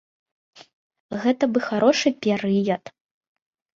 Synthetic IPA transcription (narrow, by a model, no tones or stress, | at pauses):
ɣɛt̪ɐbɨxaɾɔʂɨpʲɛɾɨjɐt̪